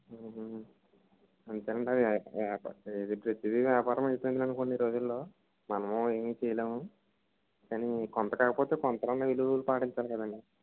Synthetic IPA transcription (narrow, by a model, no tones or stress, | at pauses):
ɐnd̪ukaːnɐɳɖiɐd̪iaːd̪ipɾet̪id̪iʋjaːpaːɾɐmɐjp̪oːnd̪inɐnuko̞ːɳɖiɾo̞ːd͡ʒulːo̞ː | mɐnɐmoeːmiːt͡ʃɛjɐleːmu | kaːnikɔnt̪ɐkaːkɐpoːt̪e̞ːkɔnt̪ɐɾɐnːɐʋilulupaːʈiɲt͡ʃaːlkɐd̪ɐɳɖi